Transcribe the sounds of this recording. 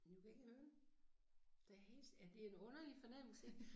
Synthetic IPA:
jukʰæe̝ɡ̥əmøː | d̥æhe̝̰sæd̥e̝ɐenɔ̽nɐlifɒ̽nem̰l̩se

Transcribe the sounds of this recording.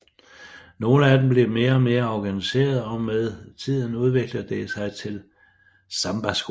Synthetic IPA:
no̝ːləæd̥emb̥le̝me̝ːɐɒ̽me̝ːɐɒɡ̥ænise̝̰ːɐð̩ˠɒ̽meðˠt͡sʰið̞̰ˠn̩uð̞ˠʋe̝ɡ̥ləd̥e̝sɑ̈ɪt͡sʰe̝l | sɑ̈mb̥æsɡ̥

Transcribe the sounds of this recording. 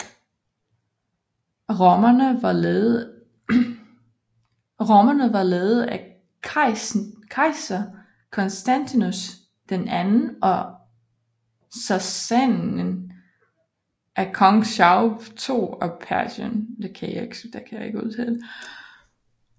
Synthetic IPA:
ɐə | ʁomɐnəʋɑ̈lɛːð̞̩ˠæ | kʰɑɪsɐ | kʰɒ̽nsd̥ænt͡sʰinus | d̥enænn̩ʔɒ̽ | sæsæn | ʔækʰɒŋɕɑʊt͡sʰo̝̰ːɒ̽pʰæɐɕɔnd̥ekʰæja̰e̝ɡ̥sd̥ekʰæjɑ̈e̝ɡ̥uð̰ˠt͡sʰed̥

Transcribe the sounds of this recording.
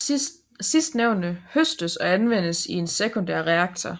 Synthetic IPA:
i̥ | sisd̥neʊ̰nəhøsd̥əsɒ̽ænʋen̰əsie̝nsekʰond̥æɐ̰ʁeɑ̈ɡ̥̚t͡sʰɐ

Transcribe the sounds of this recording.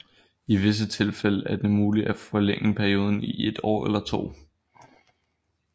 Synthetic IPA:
iʋe̝s̬ət͡sʰe̝lfeləʔæɐd̥e̝muːli̥æfɒ̽leŋ̰əpʰæɐio̝ːð̞ˠn̩iʔe̝d̥ɒ̰ːelɐt͡sʰo̝̰ː

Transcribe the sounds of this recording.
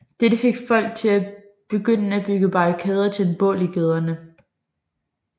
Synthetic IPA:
d̥ed̥əfe̝ɡ̥fɒ̽l̰ɡ̥̚t͡sʰe̝læ | b̥e̝ɡ̥øn̰əæb̥yɡ̥əb̥ɑ̈ikʰɛːð̞ˠɐt͡sʰe̝lenb̥ɔ̰̽ːl̰iɡ̥eð̞ˠɐnə

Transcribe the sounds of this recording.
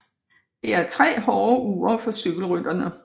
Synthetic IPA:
d̥e̝æɐt͡sʰʁɛ̰ːɦɒːuːɐfɒ̽syɡ̥l̩ʁyd̥ɐnə

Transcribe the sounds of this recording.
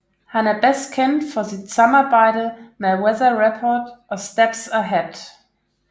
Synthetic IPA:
hanəbɛskʰɛ̃nfɔðəsaməbaɪɾl̩mɛwɛðəɹɛpʰɔdʔəstɛpsəɦɛd̥

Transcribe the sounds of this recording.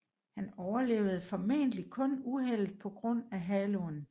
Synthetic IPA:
hænɒʊɐle̝̰ːʊð̞̩ˠfɒ̽mḛnəlikʰɔ̽nuɦel̰d̥̚pʰɒ̽ɡ̥ʁɔ̽n̰æɦælon

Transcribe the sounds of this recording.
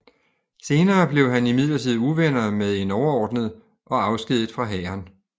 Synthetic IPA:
se̝ːnɐːb̥le̝ʊɦænimið̞̰ˠlɐt͡sʰið̩ˠuʋenɐmeð̞ˠe̝nɒʊɐɒːd̥nəðˠ | ʔɒ̽ɑ̈ʊsɡ̥ið̞̰ˠð̩ˠfʁɑ̈ɦɛ̰ːɐn

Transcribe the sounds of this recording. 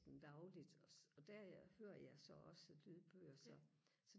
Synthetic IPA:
ɡ̥n̩d̥ɑ̈ʊlid̥ɒɒ̽d̥æɐ̰æhøːɐjɑ̈ɪsɒ̽ɒ̽səlyð̰ˠb̥øːɐsɒ̽ | sɒ̽

